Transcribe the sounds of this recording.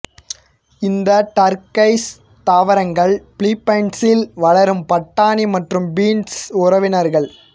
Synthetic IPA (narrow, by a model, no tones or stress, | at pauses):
ɪnd̪ɐʈɐɾkɐɪs | t̪aːʋɐɾɐŋɡɐɭpɭiːpːɐɪɳʈsɪlʋɐɭɐɾɯmpɐʈːaːnimɐʈrɯmbiːnsʊrɐʋɪnɐɾɣɐɭ